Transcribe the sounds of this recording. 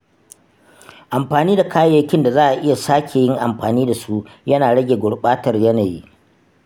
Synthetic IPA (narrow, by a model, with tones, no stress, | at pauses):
ʔa˨mɸaː˨niː˦da˨kʰaː˦ja˦kʲɪ˦nda˨zaː˦ʔa˨ʔɪ˦ja˨saː˦kʲʰe˨jɪ˦ŋʔa˨mɸaː˨niː˦da˨su˦jɐ˦naː˨ɽɐ˦ɡʲeː˨ɡʷʊ˨ɽɓaː˦tɐ˨rjɐ˦naː˨jḭ˦ʔ